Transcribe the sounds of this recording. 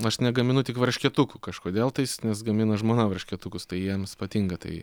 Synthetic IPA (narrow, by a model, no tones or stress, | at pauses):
ɐʃnʲɛɡɐmʲɪnʊt̪ʲɪkʋɐɾʲʃʲkʲiɛt̪ʊkʊkɐʃkoːd̪ʲeːlˠt̪ɐɪsnʲɛsɡɐmʲɪnɐʒmoːnɐʋɐɾʲʃʲkʲɛt̪ʊkʊst̪ɐɪjiɛmspɐt̪ʲiŋɡɐt̪ɐ̰ɪ